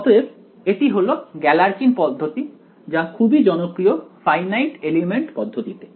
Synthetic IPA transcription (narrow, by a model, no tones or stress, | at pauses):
ɔt̪oeb | eʈiɦoloɡɛlaɾkinpɔd̪ʱːot̪i | d͡ʑakʰubid͡ʑɔnokɾiofajnajʈelimeɳʈpɔd̪ʱːot̪it̪e